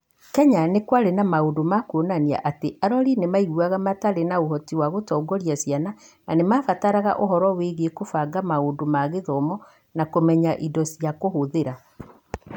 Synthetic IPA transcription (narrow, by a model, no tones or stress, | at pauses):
kɛɲanekwaɾenamaondomakonania̰ʔateʔaɾɔɾinemaiɣuaɣamataɾenaohɔtiwaɣotɔːɡɔɾiasjana | nanemaːfataɾaɣa̰ʔoɦɔɾɔweɣekofaɡamaondomaɣeðɔmɔ | nakomɛɲaʔidɔsiakohoðeɾa